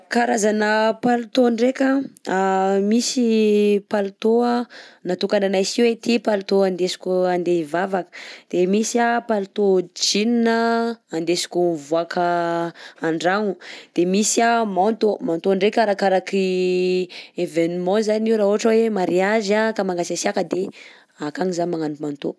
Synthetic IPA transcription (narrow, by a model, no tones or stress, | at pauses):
kaɾazanəpalut̪oɳɖ͡ʐekʲaamisipalut̪oanat̪ukananajsiwet̪ipalut̪oand̪esi̥kʲuand̪evavakə̥d̪̥emisiapalut̪od͡ʒininəːnd̪esi̥kʲuvuakʰə | aɳɖ͡ʐaŋud̪̥emisiamant̪omant̪oɳɖ͡ʐekʲaɾakaɾaki | evenimɔ̃zaniɾaɦoaʈ͡ʂəwemaɾiaʒakamaŋɡasasiakəd̪e | akaŋizaɲmaŋanumant̪o̰